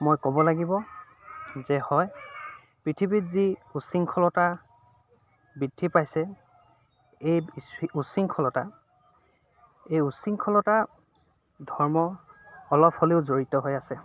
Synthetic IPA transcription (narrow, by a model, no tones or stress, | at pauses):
mojkɔbɔlaɡibɔ | zɛhɔj | pɹitʰibitziusiŋkʰɔlɔta | bidʱipajsɛ | ejusiŋkʰɔlɔta | ejusiŋkʰɔlɔta | dʱɔɹmɔː | lɔpʰholeʊzoɹitɔɦojasɛ